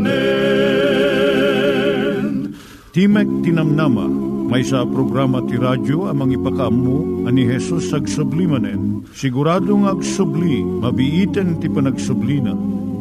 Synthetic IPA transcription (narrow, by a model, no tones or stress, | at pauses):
t̪imɛk̚t̪inɐmnamɐ̰mɐjsɐpɾoɡɾamɐt̪iɾad͡ʒoɐmɐŋipɐkɐʔɐmːuɐniɦɛsusɐɡsʊblimɐnɛn | sɪɡʊɾaːd̪oŋɐɡsʊblimɐbiʔiːt̪ɛnt̪ipɐnɐɡsʊblinɐ̰